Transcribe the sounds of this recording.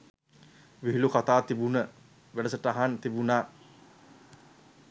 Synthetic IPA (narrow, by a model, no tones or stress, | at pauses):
ʋiɦilukat̪aːt̪ibunə | ʋeɖəsəʈaɦant̪ibunaː